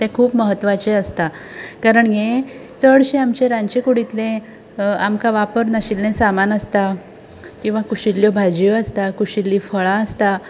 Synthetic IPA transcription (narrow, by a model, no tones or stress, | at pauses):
t̪ɛ̃kʰuːpməɦət̪ːʋat͡ɕeəst̪a | kaɾəɳjẽt͡səɽɕeamt͡ɕeɾãɲt͡ɕekuɽit̪lẽ | amkaʋapəɾnəɕilːẽsamanəst̪a | kĩw̃ʋakuɕilːjobʱad͡ʑjoəst̪akuɕilːiːfəɭaəst̪a